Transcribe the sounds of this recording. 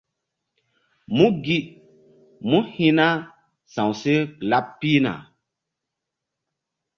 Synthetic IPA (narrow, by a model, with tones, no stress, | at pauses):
mũ˦ɡi˦ | mũ˦hĩ˦na˦ | sã˨wse˦la˦pːi˦na̰˨